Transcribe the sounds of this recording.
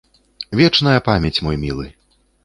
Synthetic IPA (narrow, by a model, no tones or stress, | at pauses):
vʲɛt͡ʂnɐjɐpamʲɛt͡sʲmɔjmʲilˠɨ